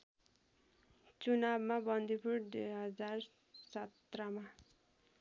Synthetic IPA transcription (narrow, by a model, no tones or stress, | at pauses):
t͡sunabmabʌnd̪ʱipʰuɾd̪eɦʌd͡zar | sʌt̪rʌma